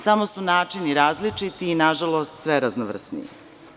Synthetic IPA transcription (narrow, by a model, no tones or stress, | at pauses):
samo̞sunaːt͡ʃiniɾaːzlit͡ʂit̪iːnaʒalo̞ːst̪sʋeɾaznoʋr̩snḭj